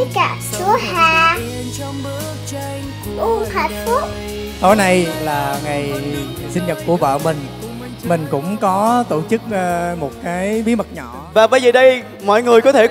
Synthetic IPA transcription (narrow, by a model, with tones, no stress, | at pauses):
kaː˧˩su˨˦əhaː˧˩ | t͡ɕɔ˧mbɨ˨˦ | t͡ɕə˧ | ʔu˧˩ŋh̪ʰaː˧˩t̚fu˦˥p̚ | t̪o˨˦jna˧jlaː˨˩ŋa˨˩j | sï˧ŋ̟ɲə˨˩t̚ku˧˩əvə̰ː˧˨mï˨˩ŋ̟ | mï˨˩ŋ̟kʊ̰˧˥ŋ͡mkɔ˨˦t̪o˧˩t͡ɕɨ˦˥k̚ːmo˨˩t̚kaː˨˦jɓi˨˦mə˨˩t̚ɲɔ̰˧˨vaː˨˩ɓə˨˧jzəː˨˩ɗə˧j | mɔ̰˧˨jŋɨ˨˩əjkɔ˨˦t̪ʰe˧˩